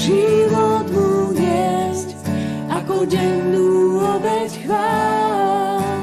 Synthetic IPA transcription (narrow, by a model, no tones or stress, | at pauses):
ʒivɔt̪mujɛsc | akɔɟɛnd̪uɔbɛsxvalɔ